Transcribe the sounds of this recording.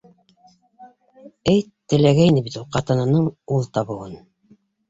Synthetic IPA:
ɘjt̪ːɘ̆læɡæjnɘbit̪ulˠqɑt̪ɤ̆nɤ̆nɤɴulˠt̪ɑβɤ̆wɤn

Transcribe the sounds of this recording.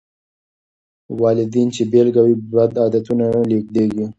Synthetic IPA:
wɑlɪd̪int͡ʃebelɡawibad̪ɑːd̪at̪unanalekd̪eɡi

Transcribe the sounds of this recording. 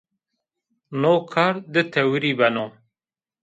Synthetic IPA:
noːkʰaɾd̪ɨt̪ʰɐwiɾibɐno

